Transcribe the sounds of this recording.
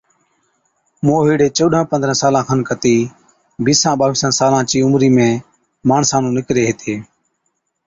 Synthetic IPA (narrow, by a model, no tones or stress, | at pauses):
moːɦiːɽeːt͡ʃəːɗãːpənd̪ɾə̃saːlãːkʰənkət̪iː | biːsãːɓaːʋɪːsãːsaːlãːt͡ʃiːʊmɾiːmẽː | maːɳsãːnũːnɪkɾeːɦeːt̪ʰeː